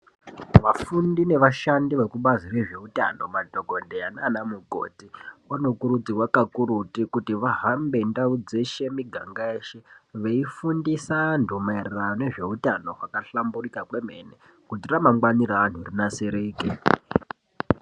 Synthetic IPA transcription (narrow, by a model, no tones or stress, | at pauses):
ʋafundine̞ʋaʃandiʋe̞kuɓazire̞ʐe̞uta̰no̞madʱoɡʱo̞ndejananamuɡʱo̞̰tiwano̞kuɾud͡ziwakakuɾutikutiʋaɦambe̞ndaud͡zeʃe̞miɡʱaŋɡaeːʃeʋeifundisandʱomeereraone̞ʐe̞utano̞wakaɬamburikakweme̞̰ne | kutiramaŋɡwaniraːn̤urinaseɾeːke